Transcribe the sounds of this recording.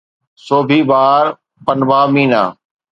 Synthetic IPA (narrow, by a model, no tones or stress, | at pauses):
soːbʱiːbaːɾ | pənʋaːmĩːna̰ː